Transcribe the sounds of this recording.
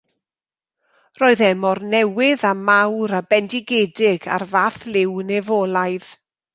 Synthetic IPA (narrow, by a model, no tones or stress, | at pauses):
roːɨðɛmɔrnɛwɪðamawɾabɛndɪɡeːdɪɡa̰rvaːθlɪwnɛvɔlˠajð̥